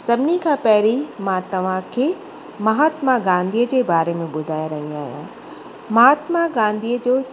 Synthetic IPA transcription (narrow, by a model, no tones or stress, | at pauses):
sɐbʱɪnikʰãːpɐɦɾimãt̪ɐʋ̤ãkʰeː | mɐɦaːt̪maɡãːnd̪ʱiːəd͡ʑeːbaːɾemẽɓʊd̪ʱaːjaɾɐɦĩaːɦijã̰ | mɐɦaːt̪maɡãːnd̪ʱiːəd͡ʑoː